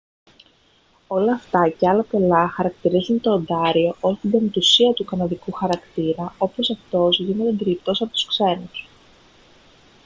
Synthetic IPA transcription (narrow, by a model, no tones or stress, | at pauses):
o̞lɐːft̪ɐceɐlɐpe̞lɐxɐɾɐkt̪iɾizunt̪o̞ːnd̪ɐɾio̞ʔot̪id̪emt̪usiɐt̪ukɐnɐðikuxɐɾɐkt̪iɾɐo̞po̞sɐft̪o̞zʝinet̪ed̪iɾipt̪o̞sɐpo̞t̪u̥skse̞nus